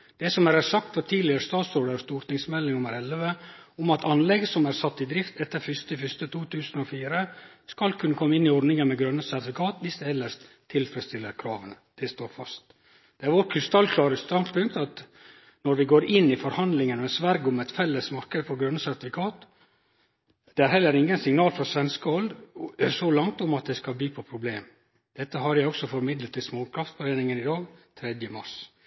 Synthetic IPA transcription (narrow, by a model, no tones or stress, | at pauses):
d̪̥ɛsɔmæɾæɾsɑk̚t̪fɔt̪ʰiːlɪəɾəst̪ɑːt̪sɾoːɖ̪əɾst̪uːɾʈ̪nɪŋsmɛlːɪŋʊməɾɛlʋəʊmɑt̪ʰɑnlɛɡsɔmæɾsɑt̪ːɪd̪ɾɪft̪ʰɛt̪ːəɾfʏst̪əɪfʏst̪ət̪ʰuːt̪ʰʉːsənɔːfiːɾə | skɑlkʰʉnːəkʰɔmːəɪnːɪɔɖnɪŋənmɛɡɾœnːəsæɾt̪ɪfɪkʰɑːt̪ʋɪsd̪ɛɛlːəʂt̪ʰɪlfɾɛst̪ɪlːəɾkʰɾɑ̰ːʋən | d̪̥ɛst̪oːɾfɑst̪ | d̪̥ɛæɾʋɔʈ̚kʰʉst̪ɑlkʰlɑːɾəst̪ɑnpʰʉŋkt̪ɑt̪ | nɔɾʋɪɡoːɾɪnːɪfɔɾhɑnd̪lɪŋənɔɛnsʋæɾɡɔmɛt̪fɛlːəsmɑɾkəd̪əfɔɡɾœnːəsæɾt̪ɪfɪkʰɑːt̪ | d̪̥ɛæɾhɛlːəɾɪŋːənsɪŋnɑːlfɾɔsʋɛnskəɔld̪sɔlɑŋt̪ʊmɑt̪̚d̪ɛskɑlb̪iːpʰɔpʰɾʊbleːm | d̪̥ɛt̪ːəɦɑɾjæɪɔksɔfɔɾmɪd̪lət̪ɪlsmoːkʰɾɑft̪fɔɾeːnɪŋənɪd̪ɑːɡt̪ʰɾɛd̪jəmɑʂ